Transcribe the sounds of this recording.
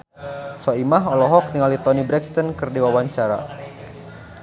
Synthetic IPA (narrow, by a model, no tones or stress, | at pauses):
sɔimaɦɔlɔɦɔk̚niŋalit̪ɔnibɾɛkst̪ɔnkɨrdiwawaɲt͡ʃaɾa̰